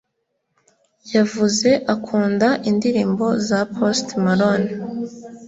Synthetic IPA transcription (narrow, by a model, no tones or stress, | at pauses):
javuze̞ʔakʰuːndaʔindiɾiːmbo̞zapʰostmaɾon